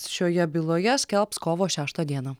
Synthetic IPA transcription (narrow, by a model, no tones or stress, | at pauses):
ʃʲoːjɛbʲɪlˠoːjɛsʲkʲɛlˠpskoːʋoːʃʲæːʃt̪ɐd̪ʲiɛnɑ